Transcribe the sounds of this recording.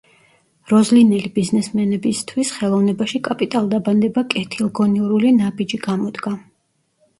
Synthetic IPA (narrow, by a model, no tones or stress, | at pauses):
ɾɔzlinɛlibiznɛsmɛnɛbist̪ʰwisχɛlˠɔvnɛbaʃikʼapʼit̪ʼalˠd̪aband̪ɛbakʼɛt̪ʰilˠɡɔniɔɾulinabid͡ʒiɡamɔd̪ɡa